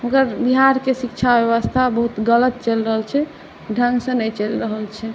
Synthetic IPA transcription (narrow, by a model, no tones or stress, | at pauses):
okəɾbiɦaɾkesikt͡ʃʰabjəwəst̪ʰabəɦut̪ɡələt̪̚t͡ʃəlɾəɦəlt͡ʃʰɛ | ɖʱə̃ŋɡsə̃nət͡ʃəlɾəɦəlt͡ʃʰɛ